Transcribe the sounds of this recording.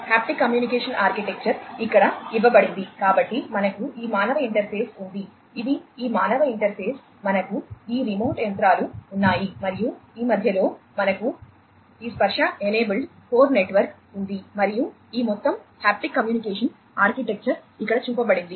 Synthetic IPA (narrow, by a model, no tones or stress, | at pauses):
haːp̚ʈikːɐmjuːnikeːʂɐnʔaːɾkiʈek̚t͡ʃɐɾikːɐɽɐiʋːɐbɐɽind̪ikaːbɐʈːimɐnɐkuiːmaːnɐʋɐiɳʈɐɾpʰe̞ːsund̪i | id̪iiːmaːnɐʋɐiɳʈɐɾpʰe̞ːs | mɐnɐkuiːɾimoːʈjent̪ɾaːluːnːaːjimɐɾijuiːmɐd̪ʱjɐlo̞ːmɐnɐku | iːspɐɾʂɐeneːbɐlɖ | poːɾneʈʋɐɾk | und̪imɐɾiju | iːmɔt̪ːɐmhaːp̚ʈikːɐmjuːnikeːʂɐn | aːɾkiʈek̚t͡ʃɐɾikːɐɽɐt͡ʃuːpɐbɐɽind̪i